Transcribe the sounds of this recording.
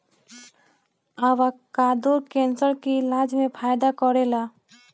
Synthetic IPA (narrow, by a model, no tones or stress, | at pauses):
aʋakaːd̪uɾkẽnsəɾkilad͡ʒmẽpʰaːjd̪akɔɾela